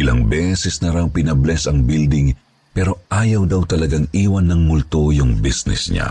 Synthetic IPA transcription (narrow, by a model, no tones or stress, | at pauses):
ʔɪlɐ̰ŋbɛsɛsnɐɾaŋpɪnɐblɛsɐŋbild̪ɪŋ | pɛɾo̞ʔaːjɐwd̪awt̪ɐlɐɡaŋʔiːwɐnːɐŋmʊlt̪ojʊŋbisnɛ̰sɲa̰